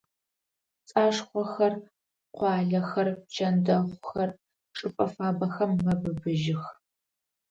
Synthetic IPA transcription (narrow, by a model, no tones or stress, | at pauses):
t͡sʼaːʂχʷɔxɐr | qʷɑːɮɐxɐrt͡ʃʰɐndɐʁʷʊxɐr | ʈ͡ʂʼɨpʼɐfaːbɐxɐmːɐbɨbɨʒɪx